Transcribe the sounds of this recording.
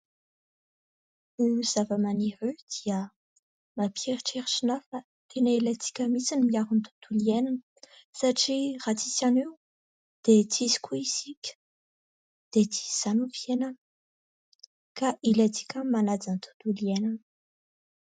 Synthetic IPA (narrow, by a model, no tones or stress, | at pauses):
uz̥avəmaniɾyd̪̥iə | mapeɾiʈ͡ʂeɾiʈ͡ʂinafa | t̪ʰenəilat͡si̥kʲəmisinmiaɾunt̪u̥d̪uliɛnanə | saʈ͡ʂirat͡si̥saniw | d̪̥et͡sizi̥kʲʰuiz̥ikʲə̥ | d̪̥et͡si̥ziz̥anufjenə | kaʔilat͡si̥kʲəmanad͡zant̪ʰu̥d̪uliɛnan